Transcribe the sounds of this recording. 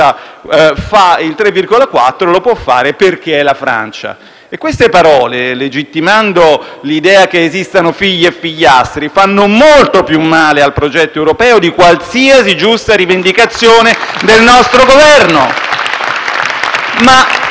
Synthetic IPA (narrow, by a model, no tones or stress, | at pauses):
a | failt̪ɾevːirɡolakwa̰t̪ːɾolopwɔfːa̰ːɾeperk̟eɛlːafɾa̰nt͡ʃa̰ | ekːwest̪epaɾɔːleled͡ʒit̪ːimand̪olid̪ɛːakeːzist̪anofiʎːefiʎːast̪ɾifanːomolt̪opjumːaːlealpɾod͡ʒɛt̪ːoewɾopɛːod̪ikwalsiːasid͡ʒust̪aɾivend̪ikat̪sːjoːned̪elnɔst̪ɾoɡovɛrno | ma